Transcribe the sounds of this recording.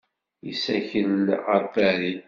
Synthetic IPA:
jḭsæçələɾˤpæɾi

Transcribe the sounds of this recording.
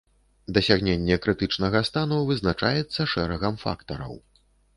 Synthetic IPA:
d̪ɐsʲaɣnʲenʲːɛkɾɨt̪ɨt͡ʂnɐɣɐst̪anuvɨznat͡ʂajɛt̪sːɐʂɛɾɐɣɐmfa̰kt̪ɐɾɐ̰w

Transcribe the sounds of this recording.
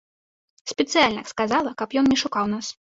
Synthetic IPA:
sʲpʲɛt̪sɨjalʲnɐkskazalˠɐkɐpjɔnnʲɛʂukawnas

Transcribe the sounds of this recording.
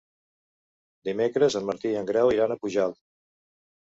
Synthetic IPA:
d̪imekɾəzənməɾt̪iəŋɡɾɛwiɾanəpuʒalˠ

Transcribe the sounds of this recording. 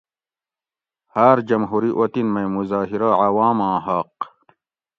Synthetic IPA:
haːɾd͡ʑɐmɦuɾiʔot̪inmɐjmuzaːɦiɾaʕawãːmãːɦaːq

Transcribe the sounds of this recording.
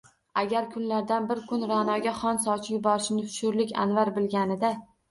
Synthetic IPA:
aɡʲaɾkʰʊnlaɾd̪anbɪɾkʰʊnɾanɒɡʲaχɒnsɒt͡ʃʰɪjʊbɒɾɪʃnɪpʃʊɾlɪkʲa̰nvaɾbɪlɡʲanɪd̪a

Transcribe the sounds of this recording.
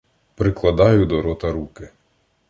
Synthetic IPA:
pɾɪklˠɐd̪ɑjʊd̪ɔɾɔt̪ɐɾukɪ

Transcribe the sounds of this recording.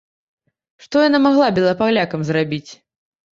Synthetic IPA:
ʂt̪ɔjanamaɣlˠabʲilˠɐpaɣlʲakɐmzrabʲit͡sʲ

